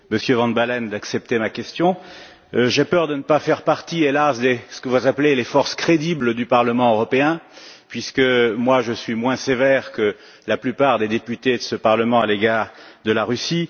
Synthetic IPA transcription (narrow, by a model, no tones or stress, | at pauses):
məsjøvɑ̃d̪balɛnd̪aksɛp̚t̪emakʲɛst̪jɔ̃ | ʒepœʁd̪ənəpafɛʁpaʁt̪ielasd̪esə̥kəvuuzaplelefɔʁskχed̪ibləd̪ypaʁləmɑ̃øʁɔpeɛ̃pɥiskəmwaʒəsɥimwɛ̃sevɛʁkə | laplypaʁd̪ed̪epyt̪ed̪əsəpaʁləmɑ̃aleɡaʁd̪əlaʁysi